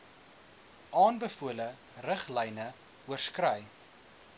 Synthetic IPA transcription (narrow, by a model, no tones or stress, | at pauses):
ʔɑːnbəfuələ | rəχlɛjnə | uərskrœj